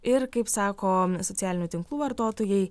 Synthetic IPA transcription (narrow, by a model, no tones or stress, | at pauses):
ɪɾkɐɪpsɑːkoːsɔt̪sʲæːlʲɪnʲuːt̪ʲɪŋklˠuːʋɐɾt̪oːt̪oːjɛɪ